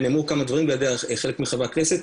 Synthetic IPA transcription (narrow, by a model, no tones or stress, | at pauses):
neːmukamad̪vaʁimbejad̪eaχelekmiχavakneset̪